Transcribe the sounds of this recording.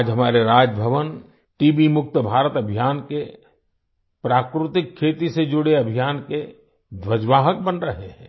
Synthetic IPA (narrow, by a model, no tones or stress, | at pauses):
d͡ʒɦɐmaːɾeɾaːd͡ʒbʱəʋən | ʈiːbimʊk̚t̪əbʱaːɾət̪ɐbʱijaːnke | pɾaːkɾɪt̪ɪkʰːeːt̪ised͡ʒʊɽeɐbʱijaːnke | d̪ʋəd͡ʒʋaːɦək̚bənɾəɦeɦɛ̃ː